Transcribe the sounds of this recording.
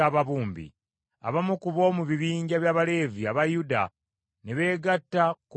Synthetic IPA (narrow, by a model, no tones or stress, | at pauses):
aːβaβuːmbḭ | a̰βamukuβo̞ːmuβiβiːɲɟaβjaːβale̞ːviaβajuda̰ | neβe̞ːɡatːak